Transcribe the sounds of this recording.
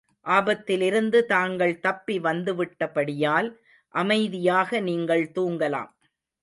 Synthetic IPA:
ʔaːbɐt̪ːɪlɪɾɯnd̪ɯt̪aːŋɡɐɭt̪ɐpːiʋɐnd̪ɯʋɪʈːɐpɐɽɪjaːl | ʔɐmɐɪðɪjaːɣɐniːŋɡɐɭt̪uːŋɡɐla̰ːm

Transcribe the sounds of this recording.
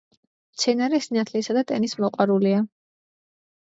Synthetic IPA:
mt̪sʰɛnaɾɛsinat̪ʰlisad̪at̪ʼɛnismɔqʼwaɾulia

